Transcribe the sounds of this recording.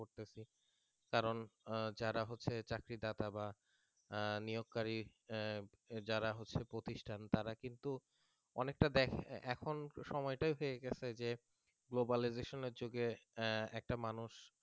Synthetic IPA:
oɾt̪et͡ɕʰi | kaɾond͡ʑaɾaɦotːɕʰet͡ɕakɾid̪at̪aba | nijoɡ̚kːaɾi | d͡ʑaɾaɦotːɕʰepɾot̪iʃʈʰant̪aɾakint̪u | ɔnek̚ʈad̪ɛkʰɛ̰kʰonʃɔmɔeʈajɦoeɡet͡ɕʰed͡ʑe | ɡlobalizeʃoneɾd͡ʑoɡeɛ̰k̚ʈamanuʃ

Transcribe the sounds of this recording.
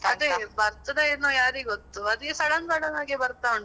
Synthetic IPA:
ɐd̪ebɐɾt̪ɐd̪ɐinoːjaːɾiɡot̪ːuɐd̪ikːesɐɽɐnɡɐɽɐnaːɡebɐɾt̪auɳ

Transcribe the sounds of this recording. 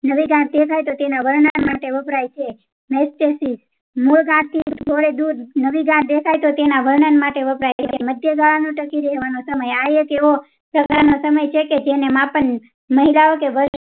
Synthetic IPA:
nəʋiɡãt̪̚d̪ekʰajt̪ot̪enaʋəɾɳanmaʈeʋəpɾajt͡ʃʰe | mesʈesis | muɭɡãt̪ʰːid͡ʒʱoɭed̪uɾnəʋiɡãt̪̚d̪ekʰajt̪ot̪enaʋəɾɳanmaʈeʋəpɾajjt͡ʃʰeeməd̪ʱjəɡaɭanũʈəkiɾeɦʋanosəməjajekeʋo | pɾəkaɾnosəməjt͡ʃʰeked͡ʒenemãpəɳ | məɦilaokeʋəɾʃ

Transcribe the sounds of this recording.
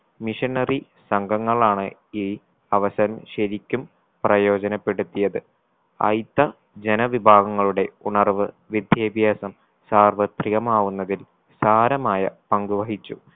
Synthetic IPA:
miʂɐɳɐri | sɐŋɡɐŋːɐɭaːɳɨiː | ɐʋɐsɐɾɐmɕɐɾikʲːum | prɐjo̞ːd͡ʑɐnɐpːe̞ɽut̪ːijɐðɨ | ɐ̰jt̪ːɐ | d͡ʑe̞nɐʋibʱaːɡɐŋːɐɭuɽe̞uɳɐrʋɨ | ʋid̪ʱjeːbʱjaːsɐm | saːrʋɐt̪riɣɐmaːʋunːɐðil | saːɾɐmaːjɐpɐŋɡuʋɐɦit͡ɕːu

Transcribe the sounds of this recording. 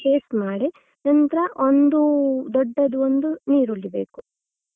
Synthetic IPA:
keːsmaːɽi | nɐnt̪ɐɾɐʔond̪ud̪ɔɖːɐd̪uond̪uniːɾuɭːibe̞̰ːku

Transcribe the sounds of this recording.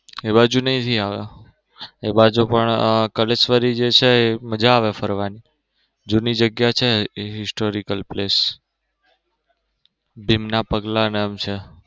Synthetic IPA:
ebad͡ʒunəĩt̪ʰiaʋja | ebad͡ʒupəɳkəlesʋəɾid͡ʒet͡ʃʰeːməd͡ʒaːʋefʰəɾʋani | d͡ʒunid͡ʒəɡjat͡ʃʰeɦɪsʈoɾikəlples | bʱimnapəɡlanemt͡ʃʰe

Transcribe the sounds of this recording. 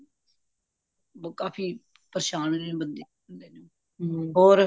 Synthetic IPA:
kaːpʰiː | pəɾʃaːnñːbənd̪eː | ənd̪eːnũː | ɦoːɾ

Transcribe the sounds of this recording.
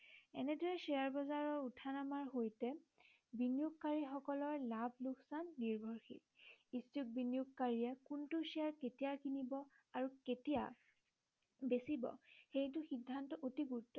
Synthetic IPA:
ɛnɛdɔɹɛsiaɹbɔzaɹɔɹutʰanamaɹɦojtɛ | binijuɡ̚kaɹixɔkɔlɔɹlabʱluksanːiɹbʱɔɹxḭtistuk̚binijukkaɹiɛkuntusiaɹketijakinibɔ | aɹuketija̰ | besibɔ̰xejtʊxidʱːantɔʔotiɡuɹtːɔ

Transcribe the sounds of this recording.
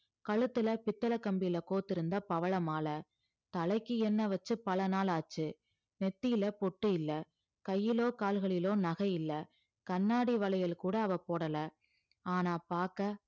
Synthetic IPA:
kɐɭɯt̪ːɯlɐpɪt̪ːɐlɐkːɐmbɪjɪlɐkoːt̪ːɪɾɯnd̪ɐpɐʋɐɭɐmaːlɐ | t̪ɐlɐɪkːɯɛnːɐʋɐt͡ʃːɯpɐlɐnaːlaːt͡ʃːɯ | nɛt̪ːɪjɪlɐpɔʈːɯɪlːɐ | kɐjːɪloːkaːlɣɐɭɪloːnɐɣɐjɪlːɐ | kɐnːaːɽiʋɐɭɐjɐlkuːɽɐːʋɐpoːɽɐlɐ | aːnaːpaːɾkɐ

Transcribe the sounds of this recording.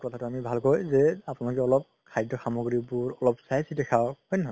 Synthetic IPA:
kɔtʰatʊamibʱalkɔjzɛapunalɔk̬ɛɔlɔp̚ | kʰajdɔxamɔɡɹibuɹɔlɔp̚sajsidɛkʰahɔjnɛɦɔ

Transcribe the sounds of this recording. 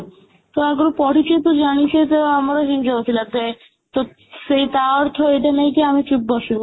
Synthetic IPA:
t̪oaɡoɾpɔʈit͡ɕet̪od͡ʑanit͡ɕʰet̪eamaɾoɦind͡ʑɔt̪ʰilat̪e | t̪o | sejt̪aɔɾt̪ʰoeʈanejkeamit͡ɕup̚bɔʃuɾu

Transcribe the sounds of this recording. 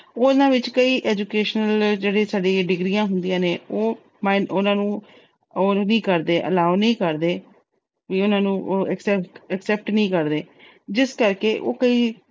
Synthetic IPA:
onãːʋɪt͡ʃkəiːʔɛːd͡ʒukeːʃnəld͡ʒeːɽeːsaːɖĩːɖɪɡɾiːãːɦʊnd̪ijãːneːoː | maːɪnʊnãːnũː | oːnĩːkəɾd̪eːʔə̰laːunĩːkəɾd̪eː | ʋiːʊnãːnũːʔɛksɛəksɛːp̚ʈnəĩːkəɾd̪eː | d͡ʒɪskəɾkeːʔo̰ːkəiː

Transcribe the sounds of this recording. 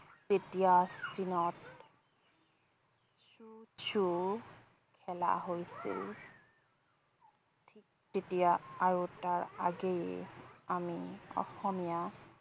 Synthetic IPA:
setijasinɔt | sut͡ʃʰu | kʰɛla̰ɦojsḭl | tʰik | tetijaaɹutaɹa̰ɡejɛ̰amiɔ̰xɔmija

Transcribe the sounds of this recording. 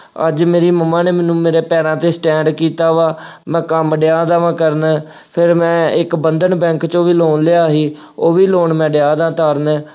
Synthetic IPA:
ə̰d͡ʒmeːɾiːməmaːneːmɛːnũːmeːɾeːpɛːɾãːt̪eːsʈɛ̃ːɳɖkiːt̪aːʋaːmɛ̃ːkəmɖɪjaːd̪aːʋãːkəɾnɛ | pʰɪɾmɛ̃ːɪkbənd̪əɳbɛ̃ːŋkt͡ʃõːʋiːloːnleːaːɦiː | oːʋiːloːɳmɛ̃ːɖɪjaːd̪ãːt̪aːɾnɛː

